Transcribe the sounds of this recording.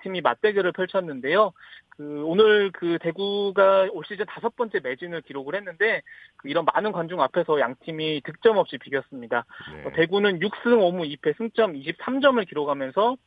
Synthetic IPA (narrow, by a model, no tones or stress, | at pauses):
tʰimimat̚t͈e̞ɡʌɾɯɭpʰjʌɭt͡ɕʰʌnːɯnde̞jokɯonɯɭkɯte̞ɡuɡaoɭɕ͈id͡ʑʌntasʰʌp͈ʌnt͡ɕ͈e̞me̞d͡ʑinɯɭkiɾoɡɯɭhe̞nːɯnde̞kɯiɾʌnmanɯnkwand͡ʑuŋapʰe̞sʰʌjaŋtʰimitɯk̚t͡ɕ͈ʌmʌp̚ɕ͈ipiɡjʌs͈ɯmɲidaʌte̞ɡunɯnjuk̚s͈ɯŋʌmuipʰe̞sʰɯŋt͡ɕ͈ʌmiɕ̬ʰip̚s͈amd͡ʑʌmɯɭkiɾoɡʱamjʌnsʰʌ